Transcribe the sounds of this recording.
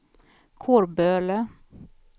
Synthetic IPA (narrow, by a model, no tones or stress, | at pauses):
kʰoːɾbøːlə